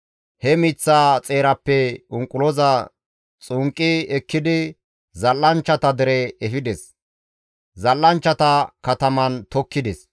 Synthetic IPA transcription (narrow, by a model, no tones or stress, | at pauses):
hɛmiːt͡sːaːt͡sʼe̞ːɾɐpːɛʊŋkʼːʊlɔzɐ | t͡sʼʊŋkʼːɪɛkːɪd̪ɪ | zɐlːɐnt͡ʃːɐt̪ɐd̪ɛɾɛɛfɪd̪ɛs | zɐlːɐnt͡ʃːɐt̪ɐkɐt̪ɐmɐnt̪ɔkːɪd̪ɛs